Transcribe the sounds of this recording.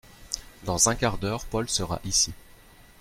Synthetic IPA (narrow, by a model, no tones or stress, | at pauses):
d̪ɑ̃zɛ̃kaʁd̪œʁpɔlsəʁa̰ʔisi